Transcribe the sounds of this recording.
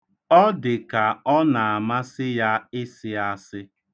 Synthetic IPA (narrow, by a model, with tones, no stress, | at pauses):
ɔ˦dɪ˨ka˨ɔ˦na˨a˨ma˦sɪ˦ja˦ɪ˦sɪ˦a˦sɪ˦